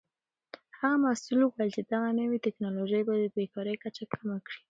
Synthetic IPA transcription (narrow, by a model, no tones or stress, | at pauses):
haɣamasulokwalt͡ʃid̪aɣanəwit̪ɪknɑloʒəjbad̪əbekɑɾəjkat͡ʃakʰamakɽi